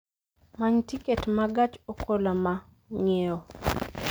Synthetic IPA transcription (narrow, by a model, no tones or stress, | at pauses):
maɲtiketmaɡat͡ʃokʰolama | ŋeɔ